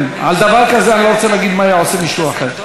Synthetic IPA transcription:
na̰ld̪avaʁkazeaniloʁot͡selaaɡid̪maːjaʕosemiʃuaχeʁ

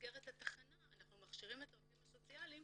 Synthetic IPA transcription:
ɡeʁetataχanaːnaχnumaχʃiʁimetaofimaso̞t͡sialim

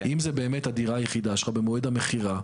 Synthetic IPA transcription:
ʔimzebe̞ːmethadiʁajeχid̪aʃllabemoedhameχiʁa

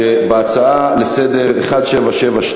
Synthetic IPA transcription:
ebeat͡saalesed̪e̞ʁeχad̪ʃevaʃevaʃ

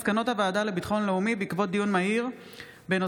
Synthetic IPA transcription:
skano̞thavaːdale̞bit̪χo̞nleumibeikvo̞t̚d̪ijunmaɦiʁ | beno

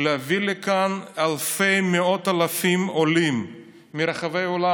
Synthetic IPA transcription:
leavilekanalfejmeo̞talafimolimː | iɾaχavejola

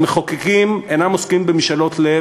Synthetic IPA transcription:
meχokekimenamoskimbemiʃalo̞tle

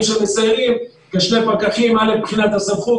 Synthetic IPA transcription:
mʃemesaeʁim | keʃnepakaχimalepχinat̪hasavχu

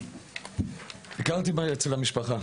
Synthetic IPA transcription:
ikaʁt̪imajet͡selamiʃpaχa

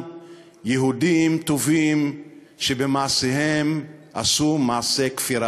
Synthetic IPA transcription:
jeɦudimt̪ovim | ʃebemaasehema̰sumaːse̞kfiɾa

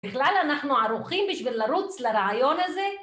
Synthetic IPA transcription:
bɪxlalanaħnuʕaɾuχimbiʃvilːaɾut͡slaɾaʕajonaze

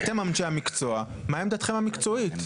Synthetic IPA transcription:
at̪emaminʃeamikt͡soa | maemd̪at̪χemamikt͡soit̪

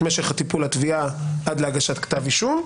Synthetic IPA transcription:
meʃeχhat̪ipulat̪viaad̪leaɡaʃat̪kt̪aviʃum

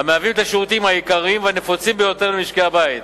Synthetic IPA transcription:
hameavimet̪aʃeʁut̪imhajikaʁiimveanefot͡simbejo̞t̪e̞ʁlemiʃkeabait̪̚

